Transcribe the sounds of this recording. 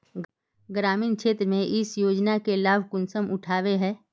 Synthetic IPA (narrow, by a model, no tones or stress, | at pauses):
ɡɾaːmiːnkʃʰeːt̪ɾəmẽʔɪsjoːd͡ʒnakelaːbʱkʊnsəmʔʊʈʰaːʋeɦɛ̃ː